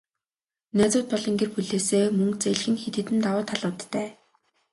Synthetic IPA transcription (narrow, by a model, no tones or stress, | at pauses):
næːt͡sʊːt̪̚pɔɮɞ̆ŋɡerpuɮeːseːmɵŋkt͡seɮxɘ̆nxet̪ɘ̆t̪ɘ̆nt̪awʊːt̪ʰːaɮʊːt̪ːæː